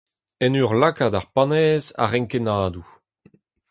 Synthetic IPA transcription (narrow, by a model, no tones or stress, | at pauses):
ɛnyʁlakadaʁpanɛːza̰ʁɛŋkenaːdu